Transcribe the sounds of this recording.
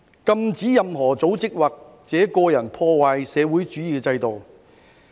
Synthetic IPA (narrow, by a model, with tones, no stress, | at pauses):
kɐ˧mt͡siː˨˥jɐ˨mɦɔː˨˩t͡so˨˥wt͡sɪ˥k̚waː˨k̚ | t͡sɛː˨˥kɔː˧jɐ˨˩npʰɔː˧waː˨jsɛː˨˧wuː˨˥jt͡ʃyː˨˥jiː˨˧kɛː˧t͡sɐ˧jt̪o˨w